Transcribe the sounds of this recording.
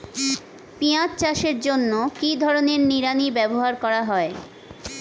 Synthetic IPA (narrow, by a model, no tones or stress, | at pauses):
piatt͡ɕaʃeɾd͡ʑonːokid̪ʱɔɾoneɾniɾanibɛboɦaɾkɔɾaɦɔe